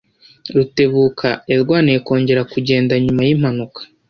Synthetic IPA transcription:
ɾute̞βuːkʰaeɾɡwaːnijeko̞ːɲɟe̞ɾakuɟe̞ːndaɲumajim̥hanukḁ

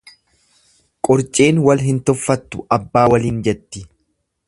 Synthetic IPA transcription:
kʼɔɾt͡ʃʼe̞ːnwɐlɦɪnt̪ɔfːɐt̪ːʊɐbːaːwɐliːnd͡ʒɛt̪ːɪ

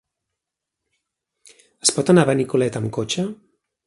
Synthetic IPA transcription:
ə̥spɔt̪anaβanikulɛt̪əmkot͡ʃə

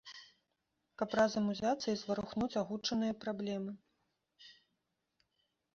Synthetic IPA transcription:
kɐprazɐmuzʲat̪sːɐizvɐɾuxnut͡sʲaɣut͡ʂɐnɨjɐpɾablʲɛmɨ

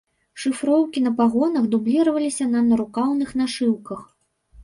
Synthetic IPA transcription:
ʂɨfɾɔwkʲinɐpaɣɔnɐɣd̪ublʲiɾɐvɐlʲisʲɐnɐnɐɾukawnɨxnaʂɨwkɐx

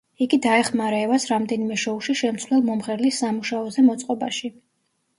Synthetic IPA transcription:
iɡid̪aɛχmaɾɛvasɾamd̪ɛnimɛʃɔuʃiʃɛmt̪sʰvlɛlˠmɔmχɛɾlisːamuʃaɔzɛmɔt̪sʼqʼɔba̰ʃi

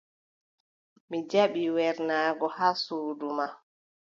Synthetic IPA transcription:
mid͡ʒaɓiwɛɾnaːɡɔhaːsuːduma

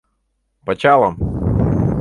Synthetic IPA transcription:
pɐt͡ɕalˠɐm

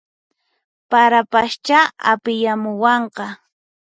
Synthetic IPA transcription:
paɾapaʃt͡ʃaa̰pɪjamʊwɑɴqɑ

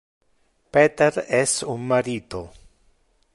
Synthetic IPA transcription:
pet̪eɾɛsuŋmaɾit̪o

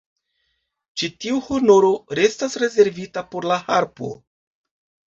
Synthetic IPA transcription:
t͡ʃitiuhono̞ɾo̞ɾe̞stasɾe̞ze̞ɾvitapo̞ɾlahaɾpo̞̰

